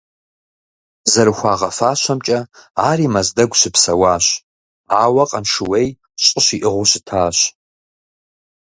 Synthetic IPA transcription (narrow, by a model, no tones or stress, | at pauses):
zɐɾɨxʷɑːʁɐfaːɕʷɐmt͡ʃʼɐaːriːmɐzdɐɡʷɕɪpsɐwaːɕ | aːwɐqʼɐnʂɨwej | ɕʼəɕiʔɨʁʷʊɕɪ̥tʰaːɕ